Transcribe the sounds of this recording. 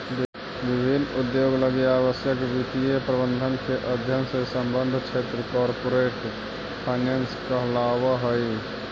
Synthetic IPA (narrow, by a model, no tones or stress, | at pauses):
ʋibʱinud̪joɡləɡjaβəsjəkbit̪ijepɾəbənd̪ʱənkeʔəd̪ʱjənsesəmbənd̪ʱt͡ʃʰet̪ɾəkɔɾpoɾeʈ | pʰaɪnanskəɦlaʋəɦəj